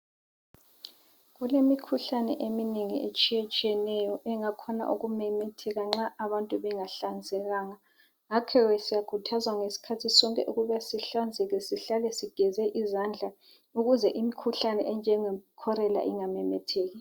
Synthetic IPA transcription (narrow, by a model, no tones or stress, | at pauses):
ɣulemikʰuɬanɛ̰ʔemineŋḭʔet͡ʃʼijɛt͡ʃʼijɛnɛjɔʔɛŋakʰɔna̰ʔuɣumɛmɛtʰɛɣaŋ͡ǁaaβantʼuβɛŋaɬand͡zʱɛɣaːŋa | ŋakʰɛwɛsijakʰutʰazwaŋesi̥kʰatʰisɔŋkʼɛʔuɣuβasiɬand͡zʱɛɣɛsiɬalɛsiɡ̥ʱɛzɛʔizand͡ɮʱa | uɣuzɛʔimikʰuɬanɛ̰ʔɛnd͡ʒʱɛŋɛkʰɔɾɛla̰ʔiŋamɛmɛtʰeːɣi